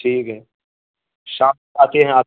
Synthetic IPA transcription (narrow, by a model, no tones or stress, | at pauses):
ʈʰiːkɦɛː | ʃãː | aːt̪eɦɛ̃aː